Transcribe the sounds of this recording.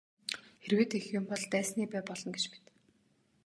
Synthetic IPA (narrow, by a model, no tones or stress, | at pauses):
xerweːt̪exjʊmpɔɮt̪æːsniːpæːpɔɮɞ̆nɡet͡ɕpi̥t̪